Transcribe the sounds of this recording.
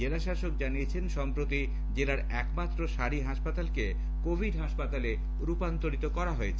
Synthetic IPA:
elaʃaʃok̚d͡ʑaniet͡ɕʰenʃɔmpɾot̪i | d͡ʑelaɾɛkmat̪ːɾoʃaɾiɦaʃpat̪alke | kobʱiɖɦaʃpat̪ale | ɾupant̪oɾit̪okɔɾaɦoet͡ɕʰe

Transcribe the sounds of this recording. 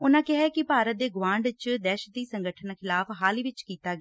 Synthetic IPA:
ʊnãːkɛɦɛːkɪpaːɾət̪̚d̪eːɡʋãːɳɖt͡ʃd̪ɛːʃət̪iːsəŋɡəʈʰənakʰɪlaːfʰɦaːliːʋɪt͡ʃkiːt̪aːɡ

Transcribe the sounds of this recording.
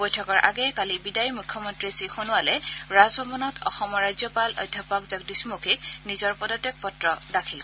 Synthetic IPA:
bojtʰɔkɔɹʔa̰ɡɛkalibidajmukʰːjɔmɔntɹisixonʊwalɛɹazbʱɔbɔnɔtɔ̰xɔmɔɹajzjɔpalɔ̰jdʱːapɔkzɔɡ̚dismukʰiknizɔɹpɔdɔtɛk̚pɔtɹɔdakʰil

